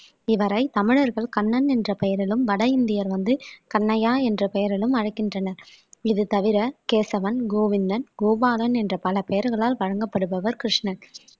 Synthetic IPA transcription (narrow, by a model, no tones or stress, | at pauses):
ɪʋɐɾɐɪt̪ɐmɪɻɐɾɣɐɭkɐɳːɐnɛndrɐpɛjɐɾɪlɯmʋɐɽɐjɪnd̪ɪjɐɾʋɐnd̪ɯkɐnːɐjaːɛndrɐpɛjɐɾɪlɯmɐɻɐɪkːɪndrɐnɐɾ | ɪðɯt̪ɐʋɪɾɐkeːsɐʋɐnɡoːʋɪnd̪ɐnɡoːbaːðɐnɛndrɐpɐlɐpɛjɐɾɣɐɭaːlʋɐɻɐŋɡɐpːɐɽɯpɐʋɐɾkɾɪʂɳɐ